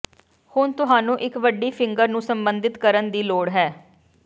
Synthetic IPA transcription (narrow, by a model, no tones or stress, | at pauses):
hʊɳt̪ʊɦaːnũːʔɪkʋəɖːiːpʰɪŋɡəɾnũːsəmbənd̪ɪt̪kəɾənd̪iːloːɽɦɛː